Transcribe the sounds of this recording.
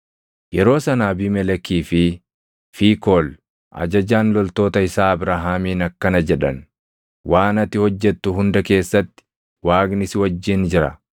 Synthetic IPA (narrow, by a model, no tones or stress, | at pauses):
jɛɾo̞ːsɐnaːbɪmɛlɛkːiːfɪ | fiːkoːl | ʔɐ̰d͡ʒɐd͡ʒaːnlɔlt̪o̞ːt̪ɐɪsaːɐbɾaːɦaːmiːnɐkːɐnɐd͡ʒɛᶑɐ̰n | waːnɐt̪ɪhɔd͡ʒːɛt̪ːʊɦʊnd̪ɐke̞ːsːɐt̪ːɪ̥ | waːɡnɪsɪwɐd͡ʒːɪnd͡ʒɪɾɐ̰